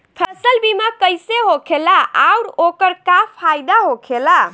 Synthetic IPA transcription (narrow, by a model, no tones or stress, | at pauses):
pʰəsəlbimakəjseɦokʰelaʔauɾokəɾkapʰajd̪aɦokʰela